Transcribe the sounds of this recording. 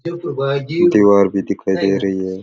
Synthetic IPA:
d̪iwɑːɾbid̪ikʰajd̪eːɾeje

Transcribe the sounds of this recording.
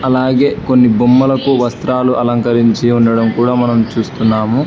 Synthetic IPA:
ɐlaːɡeːko̞nːibumːɐlɐkuʋɐst̪ɾaːluʔɐlɐŋkɐɾiɲt͡ʃiuɳɖɐɽɐmkuːɽaːmɐnɐmt͡ʃuːst̪unːaːmu

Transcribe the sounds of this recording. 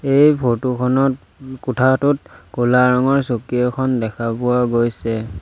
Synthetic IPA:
ejpʰotukʰɔnɔt | kutʰatʊt̚kulaɹɔŋɔɹsokijɔkʰɔndɛkʰapʊwaɡojsɛ

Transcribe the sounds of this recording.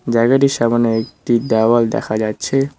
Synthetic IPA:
d͡ʑaɡaʈiʃamaneek̚ʈid̪awald̪ɛ̰kʰad͡ʑatːɕʰe

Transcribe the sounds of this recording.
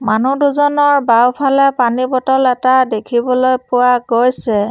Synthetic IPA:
manuduzɔnɔɹbawpʰalɛpanibɔtɔlɛtadekʰibɔlojpʊwaɡojsɛ

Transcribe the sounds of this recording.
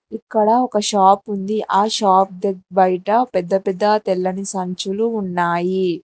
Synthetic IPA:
ikːɐɽɐɔkɐʃaːpund̪iʔaːʃaːp̚d̪ebɐjʈɐpɛd̪ːɐpɛd̪ːɐt̪ɛlːɐnisɐɲt͡ʃuluːnːaːji

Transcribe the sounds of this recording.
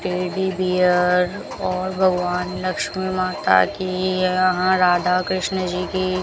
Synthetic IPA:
ʈiːɖibiːəɾ | ɔːɾbʱɐɡʋaːnlɐkʃmimaːt̪a̰kijjɐɦãɾaːd̪ʱakɾɪʃnəd͡ʒiːki

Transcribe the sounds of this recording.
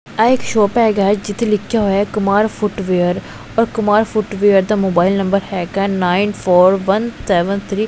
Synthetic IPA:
ɛɪkʃoːpɛːɡaːd͡ʒɪt̪ʰeːlɪkʰɪjaːɦoːjaɛkʊmaːɾfʰʊʈʋeːəɾ | ɔːɾkʊmaːɾfʰʊʈʋeːəɾd̪aːmoːbaːɪlnə̃mbəɾhɛːkɛ̃ːnaːinpʰoːɾʋənsɛːʋənt̪ʰɾiː

